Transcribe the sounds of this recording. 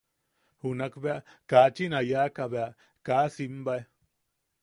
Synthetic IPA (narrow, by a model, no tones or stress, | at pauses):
hunakbeaʔkat͡ʃinajakaβea | kasimbaj